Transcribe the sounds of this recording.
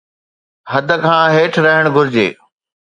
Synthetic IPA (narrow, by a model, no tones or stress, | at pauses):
ɦɐd̪ʱə̆kʰãːɦeːʈʰɾɐɦəɽ̃ɡʱʊɾɪd͡ʑḛː